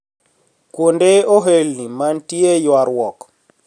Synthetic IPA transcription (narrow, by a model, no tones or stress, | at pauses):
kwondeoɦelnimantiejwaɾwɔk